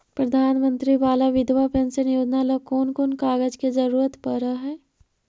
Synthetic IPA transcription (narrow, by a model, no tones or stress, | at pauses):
pɾɐd̪ʱaːnmə̃nt̪ɾiʋaːlaʋɪd̪ʋapɛ̃nsenɪjoːd͡ʒnalɐkoːnkonkaːɡəd͡ʒkezɐɾuːɾət̪pəɾaɦɛː